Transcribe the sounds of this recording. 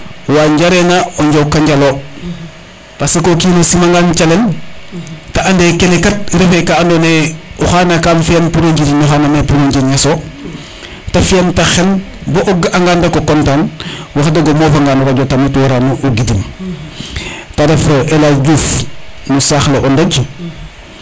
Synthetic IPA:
waːɲɟaɾenaoɲɟowkaɲɟalo | pasekokiːnosimaŋɡaːnt͡ʃalen | taandekenekat̚ɾefekaːndoneuxanakaːmfienpuɾoɲɟidinoxaːnamepuɾoɲd͡ʒenɲaso | tafentaxen | boʔɔɡʔaŋɡaːndakokɔntaːnwaxdaɡomoːfaŋɡaːnuɾaɟotamutwɾanuʔoɡidim | tadefoʔelaɟuːfnusaxlaʔɔndaɟ

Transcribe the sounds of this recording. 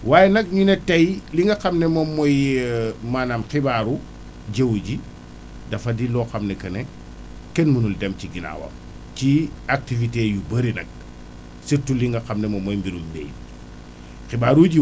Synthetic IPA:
waːjenɐk̚ɲunetɐjliŋɡɐxɐmnemomːɔj | manamxibaːɾu | ɟewɟi | dɐfɐdilɔxamnɛkɐne | kɛnmunuldɛmciɡina̰wɐ̰m | ciak̚tivitejubɐɾinɐ̰k̚ | sitːuliŋɡɐxamnɛmomojmbiɾumbḛj | xibaːɾuɟi

